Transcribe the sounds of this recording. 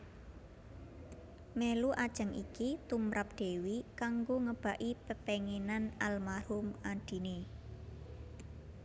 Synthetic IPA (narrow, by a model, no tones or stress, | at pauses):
meluʔad̥ʒ̥ə̤ŋḭkit̪umɾap̚ɖ̪̥e̤wikaŋɡoŋəb̥a̤ʔipəpeŋenanalmahʊmaɖ̥i̤ne